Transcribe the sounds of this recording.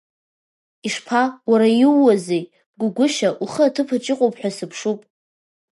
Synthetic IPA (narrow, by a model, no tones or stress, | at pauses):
iʂpʰawaɾajɪwːazej | ɡʷʊɡʷʊʃaʔuχəatʰɨpʰat͡ʃʼɪqʷʼowpʼħʷᶣasɨpʰʂupʼ